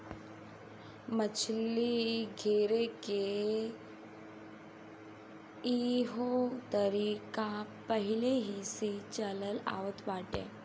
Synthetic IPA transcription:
mət͡ɕʰliɡʱeɾeke | iɦot̪əɾikãpəɦileɦiset͡ɕələla̰ʋət̪ʋaʈḛ̃

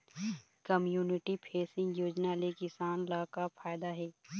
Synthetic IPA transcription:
kəmjuːnɪʈipʰeːsɪ̃ŋɡjoːd͡ʒnalekɪsaːnlaːkapʰaːɪd̪aɦɛː

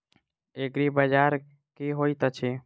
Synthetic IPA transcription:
ekɾibəd͡ʒaːɾ | kiɦoːit̪ət͡ʃʰe

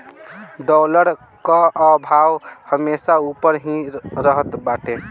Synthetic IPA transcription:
ɖɔləɾ | kaəbʱawhəmesaupəɾɦĩɾəɦət̪baʈe

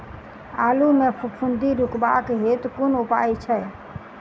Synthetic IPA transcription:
a̰lumepʰupʰund̪iɾukbakɦet̪kunupa̰jt͡ʃʰɛ

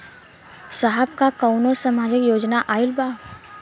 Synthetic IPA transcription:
saɦəbkakəʊnosəmaːd͡ʒɪkjoːd͡ʒnaʔaːɪlbaːb

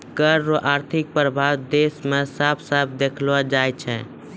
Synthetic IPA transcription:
kəɾːoʔaɾt̪ʰik̚pɾəbʱawd̪esmesəbʰsəb̚ʰd̪ekʰlad͡ʒajt͡ʃʰɛ̃

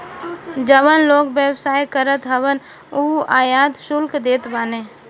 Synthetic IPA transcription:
d͡ʒəʋənloːkbjəwsaːjkəɾət̪ɦəʋən | uːaːjaːd̪ʃʊlkd̪eːt̪baːneː

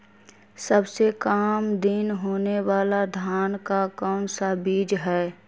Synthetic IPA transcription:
səbsekaːmd̪inɦoːnewaːlad̪ʱjaːnkakɔːnsabiːd͡ʒɦɛː

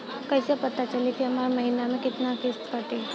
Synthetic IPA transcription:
kajsjapət̪ːat͡ɕalet̪jamaɾməɦinamekit̪nakest̪kaʈe

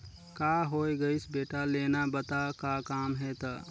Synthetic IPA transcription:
kaɦojɡəɪsbeːʈalenabət̪akakaːmɦɛt̪ə

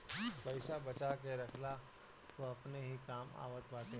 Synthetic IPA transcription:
pɐɪsabɐt͡ʃakeɾɐkʰla | ʋoɐpneɦikaːma̰ːʋət̪baːt̪ẽ

